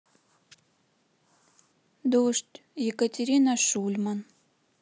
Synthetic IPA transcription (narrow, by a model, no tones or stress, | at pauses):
d̪oʃtʲjekətʲeɾʲinaʃulʲman